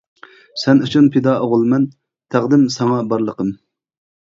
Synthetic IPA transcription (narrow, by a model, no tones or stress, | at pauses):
sɛnut͡ʃʰunpʰɪd̪ɑʔoʁʊlˠmɛn | t̪ʰæʁd̪ɪmsɑŋɑbɑɾlˠəqəm